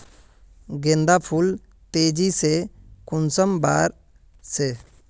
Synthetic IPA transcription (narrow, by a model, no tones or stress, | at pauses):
ɡẽnd̪apʰul | t̪eːd͡ʒisekʊnsəmbaːɾ | se